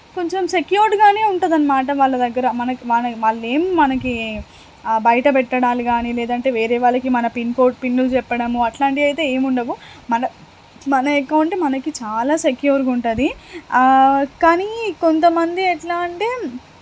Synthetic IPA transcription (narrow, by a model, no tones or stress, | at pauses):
ko̞ɲt͡ʃɐmsekjuːɾɖɡaːneːuɳʈund̪ɐnːɐmaːʈ̬ɐʋaːɭːɐd̪ɐɡːɐɾɐmɐnɐkiʋaːnɐʋaːɭːe̞ːmmɐnɐki | bɐjɐʈɐpɛʈːɐɽaːliɡaːniːlɛːd̪ɐɳʈe̞ːʋeːɾɛːʋaːɭːɐkimɐnɐpinkoːɾʈ̚pinːulut͡ʃɛpːɐɽɐmuɐʈlaːɳʈiɐjt̪e̞ːeːmuɳɖɐʋu | mɐnɐ | mɐnɐekːɐʋɐɳʈeːmɐnɐkit͡ʃaːlaːsekjuːɾɡuɳʈud̪i | kaːniko̞nt̪ɐmɐnd̪iɛʈlaːɳʈeː